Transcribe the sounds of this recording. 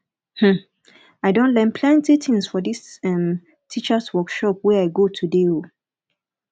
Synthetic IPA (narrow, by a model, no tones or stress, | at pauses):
hm̩ | aɪdõntlɛ̃npʰlãntitʰĩŋsfɔdisɛ̃m | tʰit͡ʃəswɔkʃɔp̚wɛaɪɡotʰudeo